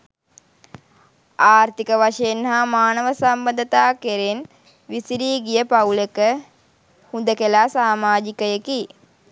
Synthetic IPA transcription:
aːɾt̪ikəʋaʂɐjenɦamaːnəʋəsɐmbəɐnd̪ɐt̪aːkeɾen | ʋisiɾiːɡijəpaulekə | hund̪əkelaːsaːmaːd͡ʒikəjeki

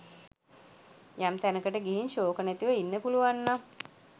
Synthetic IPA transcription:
jamt̪ænəkəʈəɡiɦinʃoːkənæt̪iʋəinːəpuluʋanːa

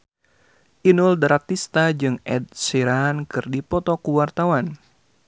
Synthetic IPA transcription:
ʔinuldɾat̪ist̪ad͡ʒɨŋʔɛd̪̚siɾankɨrdipɔt̪ɔkuwart̪awan

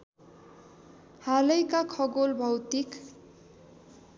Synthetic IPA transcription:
halʌjkakʰʌɡolbʱʌwt̪ik

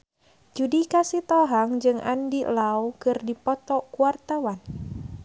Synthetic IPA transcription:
d͡ʒudikasit̪ɔɦaŋd͡ʒɨŋʔa̰ndilaukɨrdipɔt̪ɔkuart̪awan

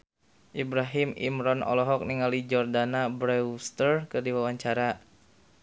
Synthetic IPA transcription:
ʔibɾaɦɪmḭmɾɔnɔ̰lɔɦɔk̚niŋalid͡ʒɔrdanabɾɛst̪ərkədiwawaɲt͡ʃaɾa

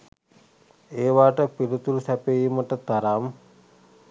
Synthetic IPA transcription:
eːʋaːʈəpilut̪ulusæpejiməʈət̪aɾam

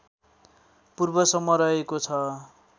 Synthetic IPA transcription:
purbʌsʌmːʌɾʌekot͡sʰʌ

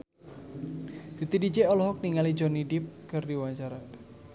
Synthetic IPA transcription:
d̪̥it̪idid͡ʒeɔlɔɦɔk̚niŋalid͡ʒɔnidɪp̚kɨrdiwaɲt͡ʃaɾa

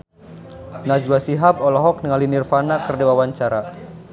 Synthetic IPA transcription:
nad͡ʒwasiɦapɔlɔɦɔk̚niŋalinirfanakərdewawaɲt͡ʃaɾa

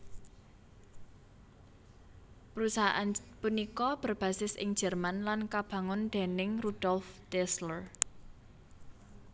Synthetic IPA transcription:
pəɾusaɦa̰ʔanpunikɔb̥ə̤rb̥ä̤sɪsʔɪ̰ŋ̥d͡ʒ̥ɛ̤rmanlankab̥ä̤ŋʊnd̪̥e̤nɪŋrud̥ɔlft̪ɛslər

